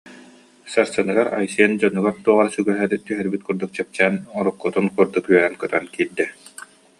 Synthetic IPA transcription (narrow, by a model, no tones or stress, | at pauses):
saɾsanɯɡaɾa̰jsiɛnd͡ʑɔnːɯɡaɾt̪uɔʁaɾasyɡœɦɛɾit̪yɦɛɾbit̪̚kuɾd̪uk̚t͡ɕɛp̚t͡ɕæːnɔɾukːut̪unkuɾd̪ukyœɾɛnkœt̪œnkiːɾd̪ɛ